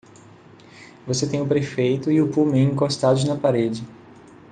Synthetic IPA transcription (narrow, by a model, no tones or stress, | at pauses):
voset̪ẽj̃ʊpɾefejt̪ʊɪʊpumẽĩkost̪ad̪ʊnɐpaɾed͡ʒɪ